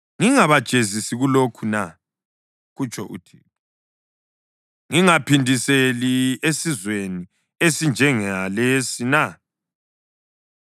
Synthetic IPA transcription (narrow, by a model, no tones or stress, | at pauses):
ŋiŋaβad̥ʒ̥ʱezisiɣulokʰuna | ɣut͡ʃʰʼɔʔṵtʰḭː | ŋiŋapʰindʱiseliesizweni | esind͡ʒʱɛŋalesina